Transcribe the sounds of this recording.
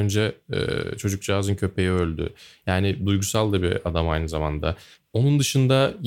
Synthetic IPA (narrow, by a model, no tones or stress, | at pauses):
nd͡ʒɛɛ̰ːt͡ʃʰo̞d͡ʒuk̚d͡ʒaɦazɯncʰø̞pʰe̞jiø̞lʲd̪ʏ̰jaːnɪd̪ujɡusalˠd̪ɯbḭad̪amajnɯzamand̪a | o̞nund̪ɯʃɯnd̪aj